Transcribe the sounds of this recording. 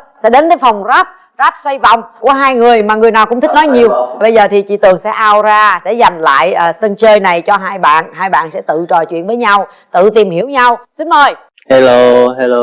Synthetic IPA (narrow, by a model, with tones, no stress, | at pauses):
sɛ̰˧˥ɗe˨˦nk̪əː˨˦jfa˨˩wŋ͡mzaː˦˥p̚ | zaː˦˥p̚swa˧jvɔ̰˧˨wŋ͡mku˧˩əɦaː˧jŋɨ˨˩əjmaː˨˩ŋɨ˨˩əjna˨˩kʊ̰˧˥ŋ͡mt̪i˦˥k̚nɔ˨˦jɲi˨˩əwɓə˧jzəː˨˩t̪ʰi˨˩t͡ɕḭ˧˨˩t̪ɨ˨˩əŋsɛ̰˧˥ʔaː˧wzaː˧ɗe˧˩za˨˩jŋla̰ː˧˨jʔəː˨˩sə˧nt͡ɕəː˧jna˨˩jt͡ɕɔ˧ɦaː˧jɓa̰ː˧˨nɦaː˧jɓa̰ː˧˨nsɛ̰˧˥t̪ɨ̰˧˨t͡ɕɔ˨˩jt͡ɕwḭ˧˨nvəː˨˦jɲa˧w | t̪ɨ̰˧˨t̪i˨˩mhi˧˩əwɲa˧wsɨ˧˨˦nməː˨˩j | he˧lo˧ɦe˧lo˧